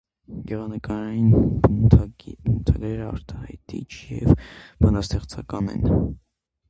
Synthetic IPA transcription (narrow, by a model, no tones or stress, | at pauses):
ɡɛʁɑnəkɑɾɑjinb̪ʰ | bnut̪ʰɑɡɾɛɾəɑ̰ɾt̪ʰɑhɑ̰jt̪ḭt͡ʃʰjɛ̰vb̥ɑnɑst̪ɛχt͡sʰɑkɑnɛ̰n